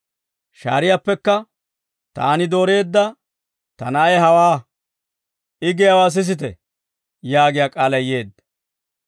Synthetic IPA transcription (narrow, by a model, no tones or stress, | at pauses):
ʃa̰ːɾɪjapːɛkːɐ | t̪a̰ːnɪd̪o̞ːɾe̞ːd̪ːɐ | t̪ɐnɐʔɐjɦɐwaː | ʔɪɡɪjɐwaːs̬ɪs̬ɪt̪̬ɛ | jaːɡɪjaːkʼaːlɐje̞ːd̪